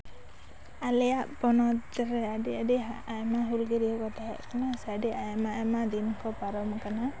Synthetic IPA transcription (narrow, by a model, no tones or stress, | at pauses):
alɛjaʔbɔnɔt̪d͡ʒɛɾɛadiadiɦaajmaɦulɡɛɾiɔkɔt̪aa̰ʔkanasadiʔajmamad̪inkʰɔpaɾɔmkana